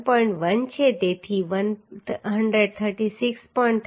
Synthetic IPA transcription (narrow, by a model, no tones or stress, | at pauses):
pɔ̃ĩɳʈʋənt͡ʃʰet̪et̪ʰiʋənɦəɳɖɾəɖ̚t̪ʰəɾʈisikspɔĩɳʈ